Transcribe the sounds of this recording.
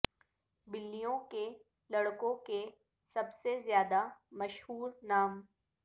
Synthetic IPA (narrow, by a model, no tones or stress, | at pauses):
bɪlːijõke | lɐɽkõke | sɐbsezjaːd̪amɐʃhuːɾnaːm